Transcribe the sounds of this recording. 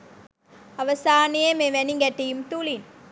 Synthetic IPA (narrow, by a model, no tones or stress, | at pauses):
ɐʋɐsaːnijɐmeʋɐniŋɡɐʈːijɯmt̪ulin